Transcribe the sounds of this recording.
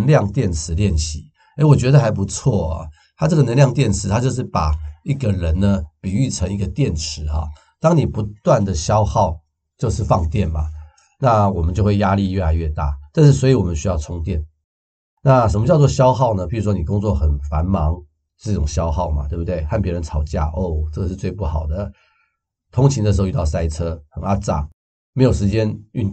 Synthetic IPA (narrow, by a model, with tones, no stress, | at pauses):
nljɑ˥˨ŋt̪jɛ˥˩nʈ͡ʂʰɻ̩˧˥˦ljɛ˥˩nɕi˨˥ | e˧˥wɔ˨˩t͡ɕɥɛ˧˥d̪ə˧xa˧˥ɪp̬u˧˦t͡sʰwɔ˥˩ə̰˩ | t̪ʰa˥ʈ͡ʂɤ˥˩ɡə˨nə˧˥nljɑ˥˧ŋt̪jɛ˥˩nʈ͡ʂʰɻ̩˧˥t̪ʰa˥t͡ɕjo˥˧ʊʂ̬ɻ̩˥˩pa˨˩i˥˩ɡə˨ɻə˧˦˥nnə˧pi˨˩y˥˩ʈ͡ʂʰɤə˧˥ŋi˧ɡə˧˨t̪jɛ˥˩nʈ͡ʂʰɻ̩˧˥ɐ̰˨˩ | t̪ɑ˥ŋni˨˩pu˧˦˥t̪wa˥˩nd̪ə˩ɕjɑ˥ʊxɑ˥˨ʊ | t͡ɕjo˥˧ʊʂɻ̩˥˧fɑ˥˧ŋt̪jɛ˥˩nmɐ̰˩ | na˥˨wɔ˨˩mə˦nt͡ɕjo˥˧ʊxwe˥˩ɪja˥li˥˧jɥɛ˥˩la˨˧ɪɥɛ˥˧t̪a̰˥˩t̪a˥˧nʂ̬ɻ̩˥˩swɔ˧˥i˧˥wɔ˨˩mə˦˥ɕy˥jɑ˥˩ʊt͡sʰʊ˥ŋt̪jɛ˥˩n | na˥˩ʂə˧˥mə˧t͡ɕjʊt͡s̬wɔ˥˧ɕjɑ˥ʊxɑ˥˩ʊnə˩pi˨˩ɻu˥ʂwɔ˥n˨˩kʊ˥ŋt͡swɔ˥˩xə˨˩nfa˧˥nmɑ˧˦˥ŋ˥˩˥ | ʈ͡ʂʊ˨˩ŋɕjɑ˥ʊxɑ˥˩ʊma̰˨˩t̪we˥˩ɪbu˧t̪we˥˩ɪxa˥˩npjɛ˧˥ɻə˧˦nt͡sʰɑ˨˩ʊt͡ɕja̰˥˩ʔo˥˩ʊʈ͡ʂɤ˥˩ɡə˨˩ʂɻ̩˥˧t͡swe˥˧ɪpu˥˩xɑ˨˩ʊd̪ə˦ | t̪ʰʊ˥ŋt͡ɕʰi˧˥ŋd̪ə˧ʂɻ̩˧y˥˧t̪ɑ˥˩ʊsa˥ɪʈ͡ʂʰɤ˥xə˨˩na˥ʈ͡ʂa̰˥˩ | m˧˥ɪjo˨˩ʊʂɻ̩˧˥t͡ɕjɛ˥ny˥˩n